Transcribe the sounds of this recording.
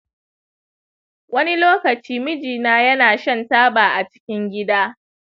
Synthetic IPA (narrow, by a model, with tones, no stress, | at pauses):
wɐ˦ni˦loː˦kɐ˨t͡ʃiː˦mɪ˦d͡ʒiː˨naː˦jɐ˦naː˨ʃɐ˦ntaː˦baː˨ʔa˨t͡ʃɪ̥˦kʲɪ˦ŋɡʲɪ˦daː˦